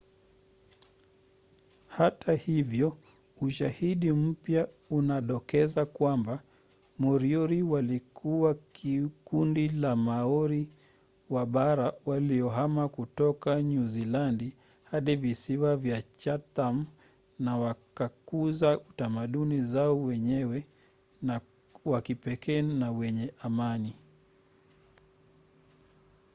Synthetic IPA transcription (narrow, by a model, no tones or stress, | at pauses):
hatʰahivjɔ | uʃahiɗim̩pja | unaɗɔkɛzakwamba | mɔɾiɔɾiwalikʰuwakʰikundilamaɔɾi | waɓaɾawaliɔɦamakutɔkaɲuzilandi | haɗivisiwavjat͡ʃatam | nawakakuzautamaɗunizaɔwɛɲɛwɛ | na | wakipɛkɛːnawɛɲɛʔamani